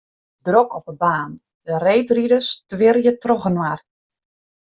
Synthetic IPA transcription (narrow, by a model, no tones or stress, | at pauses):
drokʰɔpəbaːn | dəreːtridəstʋɪrjətrɔɣənwar